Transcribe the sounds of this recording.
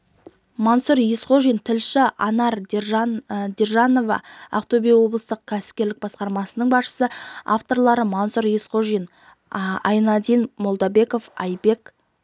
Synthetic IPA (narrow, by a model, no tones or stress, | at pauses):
mɑnsʊɾjesqo̞ʒijnt̪ʰɪlʃɪɑnɑɾ | d̪erʒɑno̞vɑ̰a̰qt̪obʲijwo̞blˠəst̪əq̚kʲʰæsɪ̥p̚kʲe̞ɾlɪk̚bɑsqɑɾmɑsənəɴbɑsʃə̥səa̰ft̪o̞ɾlˠɑɾəmɑnsʊɾjisqo̞ʒijn | ɑjnɑd̪ijnmo̞lˠd̪ɑbe̞ko̞fɑ̰jbe̞k